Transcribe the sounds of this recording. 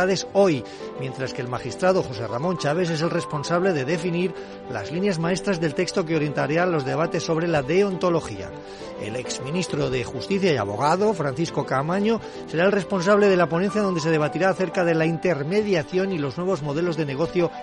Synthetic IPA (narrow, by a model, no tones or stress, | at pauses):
aðe̞so̞j | mje̞nt̪ɾaske̞ːlmaxist̪ɾaðo̞xo̞se̞ra̰mõ̞nʲt͡ʃaβ̞e̞s̬e̞se̞lre̞spo̞nsaβle̞ðe̞ðe̞finiɾ | la̰zlinjazmae̞st̪ɾazðelt̪e̞kst̪o̞keoɾje̞nt̪aɾeanlo̞zðe̞β̞at̪e̞sːo̞β̞ɾelaðe̞ont̪o̞lo̞xia̰ | ḛleksmĩnist̪ɾo̞ðe̞xust̪iθjaja̰βo̞̰ɣ̞aðo̞fɾanθisko̞kamaɲo̞ | se̞ɾaelre̞spo̞nsaβle̞ð̞e̞lapo̞nenθjaðo̞nd̪ese̞ð̞e̞β̞at̪iɾaːθe̞ɾkaðe̞laint̪e̞ɾme̞ðjaθjo̞nilo̞znwe̞β̞ozmo̞ðe̞lo̞zðe̞neɣ̞o̞θjo̞